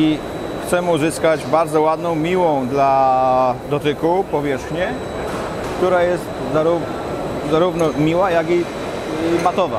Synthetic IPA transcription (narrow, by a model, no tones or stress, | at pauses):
i | xt̪sɛmuzɘskad͡ʑbaɾd̪zɔwad̪nɔ̃w̃mʲiwɔ̃w̃d̪la | d̪ɔt̪ɘkupɔvʲjɛʂxɲɛ | kt̪uɾajɛst̪zaɾu | zaɾuvnɔmʲiwajaɡi | mat̪ɔva̰